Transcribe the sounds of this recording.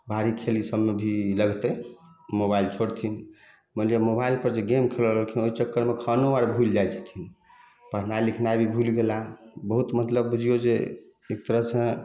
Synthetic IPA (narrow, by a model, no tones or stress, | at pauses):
bʱaɾikʰelisəbmebʱiləɡt̪əmobailt͡ʃʰoɽt̪ʰin | məlijemobailpəɾd͡ʒeɡemkʰelələt̪ʰinoit͡ʃəkːəɾmekʰənoaɽbʱuld͡ʒajt͡ʃʰə̥t̪ʰin | pəɦnajlikʰnajbʱibʱulɡelabəɦut̪mət̪ləbbud͡ʒʱijod͡ʒḛ | ek̚t̪əɾəɦsə̃